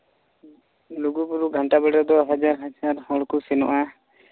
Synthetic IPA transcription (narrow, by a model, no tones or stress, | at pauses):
luɡupuɾuɡʱɔɳʈabɛɽad̪ɔɦad͡ʒaɾɦad͡ʒaɾhɔlkusɛnɔ̰ʔa